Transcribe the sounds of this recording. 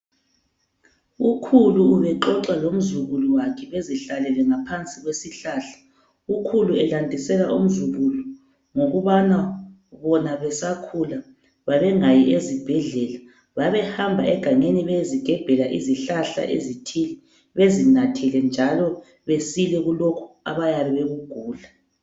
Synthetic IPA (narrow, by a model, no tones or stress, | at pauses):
ukʰuluːβɛǃɔǁalom̩zuɣuluwakʰɛβeziɬalɛlɛŋapʰant͡sʼiɣwesiɬaɬḁ | ukʰuluɛlandʱisɛlaʔum̩zuɣulu | ŋoɣuβana | βɔnaβɛsakʰula | βaβɛŋajiʔezib̥ʱɛɮɛla | βaβɛhambʱaʔɛɡ̥ʱaŋeniβeziɡ̥ʱɛb̥ʱɛlaʔiziɬaɬa̰ʔḛzitʰilɛ | βezinatʰilɛnd͡ʒʱalɔ | βesilɛɣulokʰu̥a̰βajaβɛβeɣuɡ̥ʱuːɮa